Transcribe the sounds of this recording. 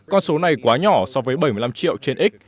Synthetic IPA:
kɔ˧nso˨˦na˨˩jkwaː˨˦ɲɔ˧˩sɔ˧vəː˨˦jɓə˧˩jmɨ˧˩la˧mt͡ɕḭ˧˨ə˨wt͡ɕe˧nʔi˦˥k̟̚

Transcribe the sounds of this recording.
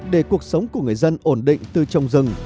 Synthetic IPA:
ɗe˧˩ku˨˩ək̚sə˨˦wŋ͡mkku˧˩əŋɨ˨˩əjzə˧nʔo˧˩nɗḭ˧˨ŋ̟t̪ɨ˨˧˩t͡ɕɔ˧wŋ͡mzɨ˧ŋ

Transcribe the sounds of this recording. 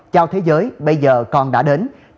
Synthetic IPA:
t͡ɕa˧wt̪ʰe˨˦zəː˨˦jɓə˧jzəː˨˩kɔ˨˩nɗa̰ː˧˥ɗe˨˦n

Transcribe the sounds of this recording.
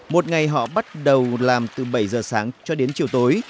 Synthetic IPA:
mo˨˩t̚ŋa˨˩jɦɔ̰˧˨ɓa˦˥t̚ɗə˨˩wlaː˨˩mt̪ɨ˨˩ɓə˧˩jzəː˨˩saː˨˦ŋt͡ɕɔ˧ɗe˨˦nt͡ɕi˧˨˩əwt̪o˨˦j

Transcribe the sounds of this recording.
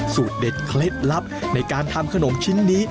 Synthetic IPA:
suː˨˩t̪̚de˨˩t̪̚kʰle˦˥t̪̚la˦˥p̚na˧jkaː˧nt̪ʰa˧mkʰa˧no˩˦mt͡ɕʰi˦˥nːiː˦˥

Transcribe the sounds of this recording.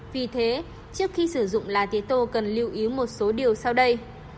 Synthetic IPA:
vi˨˩t̪ʰe˨˦ | t͡ɕɨ˦˥ək̚xi˧sɨ˧˩zʊ̰˧˨ŋ͡mlaː˨˩t̪i˨˦t̪o˧kə˨˩nli˧əwʔi˨˦wmo˨˩t̚so˨˦ɗi˨˩əwsa˧wɗə˧j

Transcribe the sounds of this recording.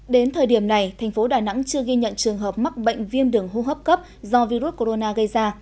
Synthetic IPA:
ɗe˨˦nt̪ʰəː˨˩jɗi˧˩əmna˨˩jt̪ʰa˨˩jŋ̟fo˨˦ɗaː˨˩na̰˧˥ŋt͡ɕɨ˧əɣi˧ɲə̰˧˨nt͡ɕɨ˨˩əŋɦəː˨˩p̚ma˦˥k̚ɓə̰˧˨ŋ̟vi˧ənɗɨ˨˩əŋɦu˧ɦəː˦˥p̚kə˦˥p̚zɔ˧vi˧ɾu˦˥t̚ko˧ɾo˧naː˧ɣə˧jzaː˧

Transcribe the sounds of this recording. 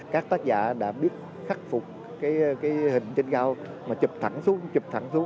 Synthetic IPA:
kaː˦˥k̚t̪aː˦˥k̚za̰ː˧˩ɗa̰ː˧˥ɓi˦˥ət̚ | xa˦˥k̟̚fʊ˨˩k͡p̚ | kaː˨˦jkaː˨˦jhï˨˩ŋ̟t͡ɕe˧nkaː˧w | maː˨˩t͡ɕɨ˨˩p̚t̪ʰa˧˩ŋsu˨˦ət͡ɕɨ˨˩p̚t̪ʰa˧˩ŋsu˨˦əŋ

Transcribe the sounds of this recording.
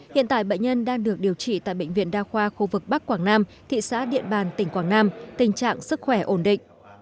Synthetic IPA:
hḭ˧ənt̪a̰ː˧˨jɓə̰˧˨ŋ̟ɲə˧nɗaː˧ŋɗɨ˨˩ək̚ɗi˨˩əwt͡ɕḭ˧˨t̪a̰ː˧˨jɓə̰˧˨jŋ̟vḭ˧ənɗaː˧xwaː˧xu˧vɨ˨˩k̚ɓa˦˥k̚ːwaː˧˩ŋnaː˧m | t̪ʰḭ˧˨sa̰ː˧˥ɗḭ˧˨ənɓaː˨˩nt̪ï˧˩ŋkwaː˧˩ŋnaː˧mt̪ï˨˩ŋ̟t͡ɕa̰ː˧˨ŋsɨ˦˥k̚xwɛ˧˩ʔo˧˩nɗḭ̈˧˨ŋ̟ʔ

